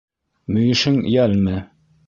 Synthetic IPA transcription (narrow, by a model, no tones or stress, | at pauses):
mɵ̆jɘ̆ʃɘŋjælmɘ